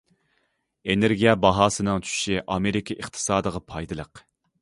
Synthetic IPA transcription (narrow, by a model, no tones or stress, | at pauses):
eneɾɡʲijɛbɑɦɑːsɨnɨŋt͡ʃʰy̥ʃiʔɑmeɾɪkʰʲiʔəχt̪ʰɨ̥sɑːd̪əʁɑpʰɑjd̪ɨlˠəq